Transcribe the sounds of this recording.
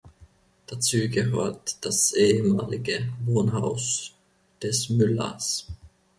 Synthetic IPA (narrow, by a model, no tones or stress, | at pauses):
d̥at͡suːɡəɦøːɐtd̥asʔeːəmaːlɪɡəvoːnɦaʊs | d̥ɛsmʏlɐ̰s